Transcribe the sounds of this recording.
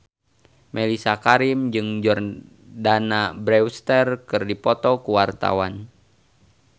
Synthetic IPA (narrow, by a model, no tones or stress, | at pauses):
melisakaɾimd͡ʒɨŋd͡ʒɔr | danabɾɛwst̪ɛrkɨrdipɔt̪ɔkuwart̪a̰wan